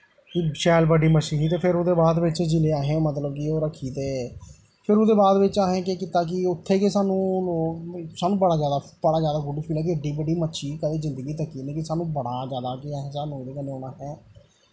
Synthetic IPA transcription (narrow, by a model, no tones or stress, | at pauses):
kiʃɛːlbəɖiːməʃiːɦiːt̪eːpʰɪɾʊd̪eːbaːd̪ʋɪt͡ʃd͡ʒɪleːaːɦẽːmət̪ləbkɪoːɾəkʰiːt̪eː | pʰɪɾʊd̪eːbaːd̪ʋɪt͡ʃaːɦẽːk̬eːkɪːt̪aːk̬ɪʊt̪ʰːeːkeːsaːnũːloːsaːnũːbəɽaːzjaːd̪aː | bəɽaːd͡ʒjaːd̪aːɡʊɖiːpʰiːlɛ̃ːk̬ɪəɖiːbəɖiːmətːʃʰiːkəd̪eːzɪ̃nd̪əɡiːt̪əkːiːnẽːkɪsaːnũːbəɽaːzjaːd̪aːkɪaːɦẽːsaːnũːd̪eːkəneːoːnaːɦɛː